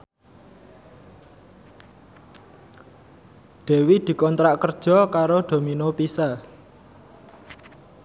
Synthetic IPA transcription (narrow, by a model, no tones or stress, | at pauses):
d̪̥e̤wid̪̥i̤kɔnt̪ɾaʔkərd̥ʒ̥ɔ̤kaɾoɖ̪̥o̤minopisa